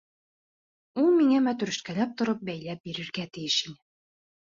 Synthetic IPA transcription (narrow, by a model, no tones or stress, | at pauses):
ulˠmiŋæmæt̪ɵ̆ɾɘ̆ʃkælæp̚t̪ŏɾɤp̚bæjlæp̚biɾɘ̆ɾɡæt̪ɘ̆jɘʃinɘ